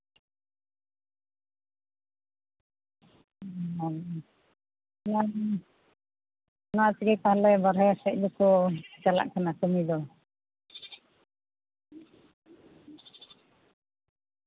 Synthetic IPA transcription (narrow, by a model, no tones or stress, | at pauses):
a | na | naat͡ʃiɡɛkaɦlɛbaɾɦajasɛc̚d̪ɔkɔt͡ʃala̰ʔkanakɔmid̪ɔ